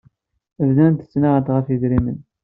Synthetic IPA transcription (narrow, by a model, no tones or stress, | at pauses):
vlænt̪ə̥t͡sːnaʁət̪ʁəfjiðɾimə̰n